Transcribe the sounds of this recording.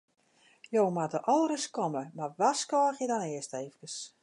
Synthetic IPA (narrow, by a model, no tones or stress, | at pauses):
joːmatəʔɔlˠɾəskɔməmarʋaskɔːxjədɔnɪəsteːvəkəs